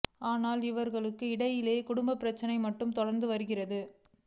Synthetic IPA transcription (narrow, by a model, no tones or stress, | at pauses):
aːnaːlɪʋɐɾɣɐɭɯkːɯɪɽɐjɪleːkʊɽʊmbɐpːɪɾɐt͡ʃːɐnɐɪmɐʈːɯmt̪ɔɽɐɾnd̪ɯʋɐɾɯɣɪrɐðɯ